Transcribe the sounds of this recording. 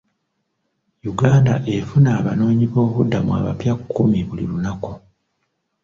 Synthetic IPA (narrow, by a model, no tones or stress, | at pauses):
juɡaːnda̰ʔe̞funaːβano̞ːɲiβo̞ːβudːamua̰ːβa̰pjakʰːumiβulḭlunaku